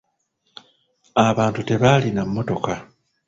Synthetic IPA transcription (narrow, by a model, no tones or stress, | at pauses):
aβaːntute̞βalinamːo̞to̞ka